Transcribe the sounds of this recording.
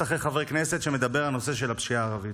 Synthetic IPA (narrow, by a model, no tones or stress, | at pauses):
aχeχavekneset̪ʃe̞me̞d̪abeʁalno̞se̞ʃe̞lapʃiaːʁavi